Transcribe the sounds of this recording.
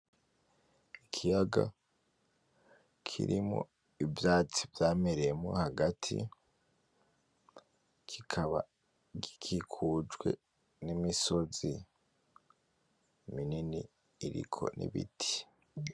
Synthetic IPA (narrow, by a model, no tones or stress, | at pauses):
ikʰijaɡa̰ | kʰḭɾimo̰ | ivjaːt͡sivjaːmeɾejemo̰haɡatʰḭ | kʰikʰaβa̰ | ɡikʰikʰuːd͡ʒɡwe̞̰ | nimiso̞zi | mininḭː | ɾḭkʰo̞̰nʔḭβitʰi̥